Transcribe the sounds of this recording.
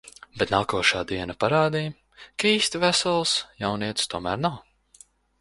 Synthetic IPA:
bɛt̪naːkuɔʃaːd̪iɛnapaɾaːd̪iː | kaiːst̪ivæsɔlˠsjawniɛt̪st̪uɔmæːɾnaw

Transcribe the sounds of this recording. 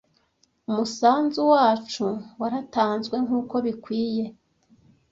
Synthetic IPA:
umusaːnzuwaːt͡ʃuwaɾataːnzɡwe̞ŋuːko̞βikwiːje̞

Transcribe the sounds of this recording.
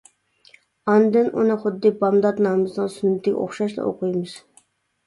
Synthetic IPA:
ɑnd̪ɨnʔunɨχʊd̪ːibɑmd̪ɑt̪nɑːmɨznɨnsynːɪt̪ːɪɡʲo̰χʃɑʃlˠɨ̰ʔo̰qʰujmɨz̥

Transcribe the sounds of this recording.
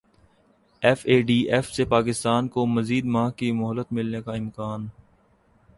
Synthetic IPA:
ɛfeːɖiːʔɛfsepaːkɪst̪aːnkomɐziːd̪maːɦkimʊɦəlːət̪mɪlnekaɪ̃mkaːn

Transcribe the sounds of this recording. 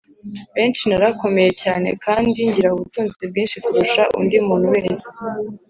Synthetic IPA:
βe̞ːnt͡ʃinaɾako̞me̞je̞caːne̞̰kaːndiɲɟiɾauβutuːnzit͡seb̚ɡiːnʃikuɾuʃaʔṵndimuːnhuwe̞ːze̥

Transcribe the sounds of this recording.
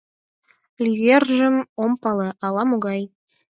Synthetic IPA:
lʲiɣʲerʲʒɘ̆mompɑlˠɤʔɑlˠɑmoɡɑj

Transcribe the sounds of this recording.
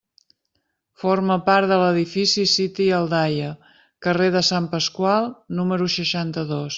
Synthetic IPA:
foɾməpaɾt̪ðələðifisisit̪iəlˠd̪ajə | kəreðəsampəskwalˠnuməɾuʃəʃant̪əðos

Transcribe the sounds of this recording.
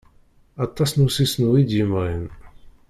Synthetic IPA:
ɑt̪ˤːɑsnusisnuid̪jəmʁin

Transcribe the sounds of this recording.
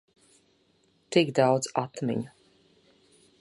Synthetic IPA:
t̪iɡd̪awd̪zat̪mḭɲu

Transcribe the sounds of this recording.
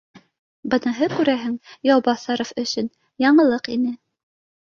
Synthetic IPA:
bɤ̆nɤ̆ɦɤkʉɾæɦɘŋjɑwbɑsɑɾofɵ̆sɵn | jɑɴɤ̆lˠɤqinɘ

